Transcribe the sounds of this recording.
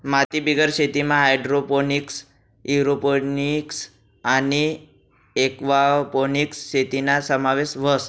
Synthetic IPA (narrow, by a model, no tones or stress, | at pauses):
mat̪ibiɡəɾɕet̪imãɦajɖɾoponiks | iɾoponiks | ani | ekʋaponiksɕet̪inasəmaʋesʋəs